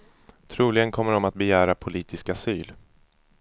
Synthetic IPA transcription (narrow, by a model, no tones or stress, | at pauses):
t̪ʰɾuːlɪɡənkʰɔmːəɖɔmat̪̚bɛjæːɾapʰʊliːt̪ʰɪskasyːl